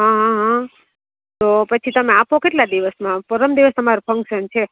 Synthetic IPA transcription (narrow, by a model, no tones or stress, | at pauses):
ɦãɦãɦã | t̪opət͡ʃʰit̪əmẽapʰokeʈlad̪iʋəsmãpɔɾəmd̪iʋəst̪əmaɾopʰəŋkʃənt͡ʃʰe